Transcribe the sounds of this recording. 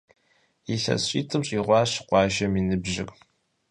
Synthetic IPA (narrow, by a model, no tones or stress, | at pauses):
iɬɐ̰ɕʼiːtʰɨmɕʼiːʁʷɑːɕqʷɑːʒɐminɨbʒɪ̰kʼ